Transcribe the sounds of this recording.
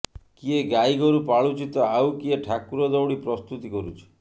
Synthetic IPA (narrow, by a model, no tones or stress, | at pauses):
kieɡaijɡɔɾupaɭut͡ʃit̪ɔawkieʈʰakuɾɔd̪ɔwɽipɾɔst̪ut̪ikɔɾut͡ʃʰi̥